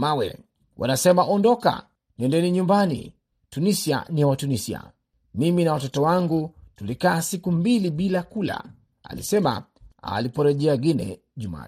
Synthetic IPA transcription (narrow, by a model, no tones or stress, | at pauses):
mawɛ̰ | wʔa̰nasɛmaʔɔndɔka̰ | nɛndɛniɲumbanḭ | tunisia̰niwatunisia̰ | miminawatɔtɔwaŋɡutulikaːsikumbiliɓilakula̰ | a̰lḭsɛma̰a̰lipɔɾɛʄɛaɡinɛ̰ | ʄuma̰